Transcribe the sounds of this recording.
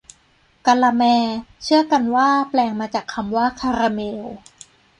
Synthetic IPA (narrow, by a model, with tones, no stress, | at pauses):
ka˧la˧mɛː˧t͡ɕʰɯ˥˩ɐka˧nwaː˥˩plɛː˧ŋmaː˧t͡ɕaː˨˩kʰːa˧mwaː˥˩kʰa˧ɾa˧meː˧w